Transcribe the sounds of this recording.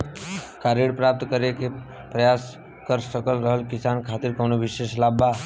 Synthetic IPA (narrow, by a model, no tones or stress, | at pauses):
kaɾeɽpɾap̚t̪kəɾeke | pɾəjas | kəɾsəkəlɾəɦəlkisankʰat̪iɾkənobiseslaba